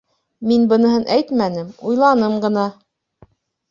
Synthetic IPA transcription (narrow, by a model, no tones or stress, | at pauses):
minbɤ̆nɤ̆ɦɤnʔæjt̪mænɘmujlˠɑnɤmɢɤ̆n̪ɑ